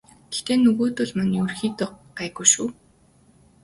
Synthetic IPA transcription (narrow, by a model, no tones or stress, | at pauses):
ɡ̥ext̪eːnɵɣoːt̪ʊɮmaniɵrxiːt̪ʊqɢæːɣujʃuː